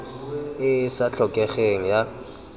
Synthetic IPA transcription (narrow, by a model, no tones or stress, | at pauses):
ɪsat͡ɬʰɔkʼɛxeŋ̩ja